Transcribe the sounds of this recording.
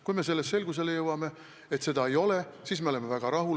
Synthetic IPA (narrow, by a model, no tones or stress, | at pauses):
kujme̞se̞lːestːe̞lɡ̥us̬e̞le̞jɤwɑme̞ | et̪se̞d̪ɑe̞jo̞le̞siːsme̞ole̞mevæɡ̥ɑɾɑɦu